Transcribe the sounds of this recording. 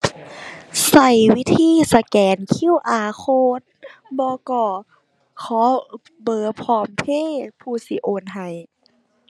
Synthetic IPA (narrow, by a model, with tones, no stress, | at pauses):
sa˧˩jwi˦˥t̪ʰiː˧˥˨sa˧kɛː˨˦nkʰi˧˥˨wʔaː˨˩kʰoː˧t̪̚bɔː˧kɔː˧˩ | kʰɔː˨˦ | bɤː˨˩pʰɔː˧˩mpʰeː˧˥˨pʰuː˧˩si˧˦ʔoː˧˨nɦa˨˩j